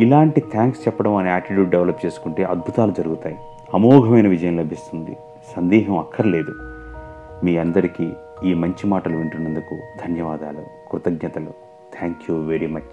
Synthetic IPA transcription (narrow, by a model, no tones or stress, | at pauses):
ilaːɳʈit̪ʰaːŋkst͡ʃɛpːɐɽɐmɐniaːʈɾiʈjuːʈ̚ɖeʋlɐp̚t͡ʃe̞ːsu̥kuɳʈe̞ːʔɐd̪̚bʱut̪aːlud͡ʒɐɾuɡut̪aːji | ɐmɔːɡʱɐmɐjnɐʋid͡ʒɐjɐmlɐbʱist̪und̪ḭ | sɐnd̪iːɦɐmɐkʰːɐɾile̞ːd̪u | miːɐnd̪ɐɾiki | iːmɐɲt͡ʃimaːʈɐluʋiɳʈunend̪ukud̪ʱɐnjɐʋaːd̪a̰ːlukɾut̪ɐɡɲɐt̪ɐlu | t̪ʰaːŋkjuːʋeɾimɐt͡ʃ